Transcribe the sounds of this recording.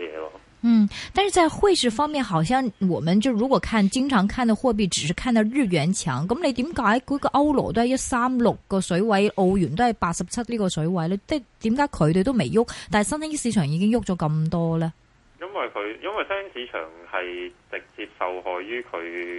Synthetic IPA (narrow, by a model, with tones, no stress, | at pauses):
jɛ̰ː˨˧lɔ̰˧ | n̩˥˩t̪a˥˧nʂɻ̩˥˩t͡sa˥˧ɪxwe˥˧ɪʂɻ̩˥˩fɑ˥ŋmjɛ˥˩nxɑ˨˩ʊɕ̬jɑ˥˩ŋwɔ˨˩mə˨˦nt͡ɕjo˥˩ɻu˧˥kwɔ˨˩kʰa˥˩nt͡ɕi˥ŋʈ͡ʂʰɑ˧˥ŋkʰa˥˩nt̪xwɔ˥˧p̬i˥˩ʈ͡ʂɻ̩˨˩ʂɻ̩˧˥˩kʰa˥˩nt̪ɐ˥˧ʊɻɻ̩˥˩ɥɛ˧˥nt͡ɕʰjɑ̰˧˥ŋkə˧˥mle˧˥t̪i˧˥mka˨˥˩kɔ˧˥ɡə˧ʔɐ˥ʊlɔ̰˨˩t̪o˥hjɔ˥˩sa˥mlʊ˨˩k̚ːə˧sɵ˨˧˥wa˧˥ɪʔo˧ʊɥy˨˩nt̪o˥ha˧˩ɪpaː˥sɐ˨˩p̚t͡sʰɐ˥t̚li˥˩kɔ˨˧sɵ˨˧˥wa˧˥ɪlə˧a˥˩t̪i˨˧˥mka˧˥kʰɵ˨˧˥t̪e˧t̪o˥ʊme˨˩jʊ˥˩k̚t̪a˥˩nsa˥ŋt̪a˥ŋi˥˩si˧˥ʈ͡ʂʰœː˨˩ŋi˧˥kɪ˥ŋjʊ˥˩k̚t͡ɕɔ˧˥kɐ˥˧mt̪ɔ˥lə˨ | jɐ˥nwɐ˨jkʰɵ˨˧jɐ˥nwɐ˨jsɐ˥si˨˥t͡ʃʰœ̰ː˨˩ŋhɐ˨jt͡sɪ˨k̚t͡si˧p̚sɐ˨whɔː˨˧jɥyː˥kʰɵ˨˧